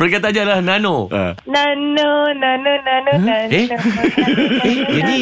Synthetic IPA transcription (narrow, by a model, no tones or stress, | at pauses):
pərkat̪̬aɲalahnanoʔə̰nanonanonanoe | eini